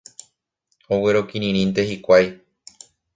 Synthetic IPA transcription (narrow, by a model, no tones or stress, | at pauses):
owe̞ɾo̞kiɾ̃ĩɾĩnt̪̬e̞hikʷaj